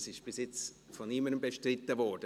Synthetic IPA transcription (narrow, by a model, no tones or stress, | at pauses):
sɪʃb̥ɪsjɪt͡s | fɔnɪməɾəmbeʃtrɪt̪ːəvɔd̥ə